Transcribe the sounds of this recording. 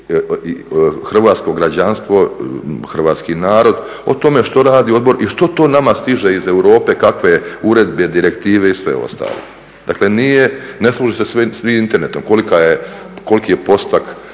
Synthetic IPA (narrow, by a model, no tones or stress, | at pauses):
ixr̩ʋaːt̪sko̞ɡɾad͡ʑanst̪ʋo̞xr̩ʋaːt̪skinaːɾo̞d̪ | o̞̰t̪o̞me̞ʃt̪o̞ɾaːd̪io̞d̪bo̞ɾʔiʃt̪o̞t̪o̞ːnamast̪iʒe̞izewɾo̞ːpekakʋe̞uɾe̞d̪be̞d̪iɾe̞kt̪iːʋe̞isʋe̞̰o̞̰st̪a̰ːlˠo̰ | d̪̥a̰kle̞nijeneslˠuʒisesisʋiint̪eɾne̞t̪omko̞likajeko̞likijepo̞st̪ak